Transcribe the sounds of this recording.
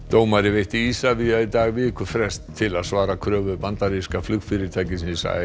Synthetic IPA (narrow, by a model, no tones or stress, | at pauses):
t̪oːwmaɾɪvejht̪iiːsaviait̪aːɣvɪkʏfɾɛst̪ʰːɪlaðsvaːɾakʰɾœːvʏpant̪aɾiskaflʏkfɪɾɪɾ̥t̪ʰaːjcɪsisa̰ɪ